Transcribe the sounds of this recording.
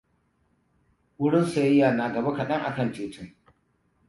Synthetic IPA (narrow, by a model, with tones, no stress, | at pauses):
wʊ˦ɽɪ˦nsa˨jɐ˦jːaː˨naː˨ɡɐ˨ba˦kɐ˨ɗɐ˦ŋʔa̰˨kɐ˦˨nt͡ʃeː˨tɪ˦ŋ